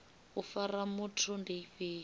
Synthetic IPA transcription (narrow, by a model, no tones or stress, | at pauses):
ufaramutʰundeiɸeː